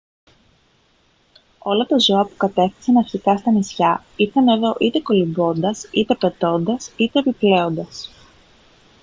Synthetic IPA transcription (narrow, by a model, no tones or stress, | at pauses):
o̞lɐt̪ɐzo̞ɐpu̥kɐt̪e̞fθi̥sɐnɐɾçikɐst̪ɐnisçɐ | iɾθene̞ðo̞ʔit̪e̞ko̞limbo̞nd̪ɐsit̪e̞pe̞t̪o̞nd̪ɐsit̪e̞ːpiple̞o̞nd̪ɐs